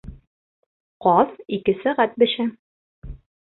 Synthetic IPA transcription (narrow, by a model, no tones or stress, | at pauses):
qɒðikɘsæʁæt̪̚bɘ̆ʃæ